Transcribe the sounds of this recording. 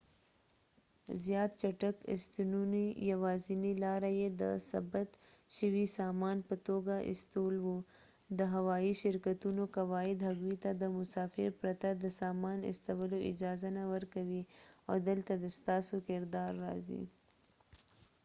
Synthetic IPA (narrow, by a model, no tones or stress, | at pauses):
zjɑːt̪̚t͡ʃaʈəkɪ̰st̪inunijawɑːzinilɑɾajed̪ə̰sa̰bət̪ʃəwisɑmɑnpət̪oɡaʔɪ̰st̪olwo | d̪əɦawɑiʃɪɾkat̪unokawɑɪd̪ɦaɡwit̪ad̪əmʊsɑːfɪ̰ɾpɾat̪ad̪əsɑmɑnɪ̰st̪awəloɪ̰d͡ʒɑːzanawəɾkawiawd̪əlt̪ad̪əst̪ɑːsokɪɾd̪ɑːɾːɑ̰zḭ